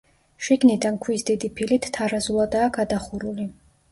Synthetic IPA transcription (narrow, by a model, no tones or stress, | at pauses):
ʃiɡnid̪ankʰwisd̪id̪ipʰilit̪ʰt̪ʰːaɾazulˠad̪aːɡad̪aχuɾuli